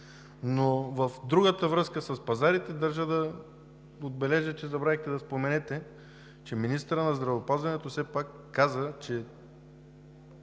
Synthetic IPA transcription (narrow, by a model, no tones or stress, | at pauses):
novəfd̪ɾuɡət̪əvɾɤskəsɐspɐzaɾit̪ɛd̪ɐɾʒəd̪ɐ | od̪̚bɛlɛʒət͡ʃɛzɐbɾaɛxt̪ɛd̪ɐspomɛnɛt̪ɛ | t͡ʃɛminist̪əɾənɐzd̪ɾɐvopazvɐnɛt̪osɛpakːazət͡ʃɛ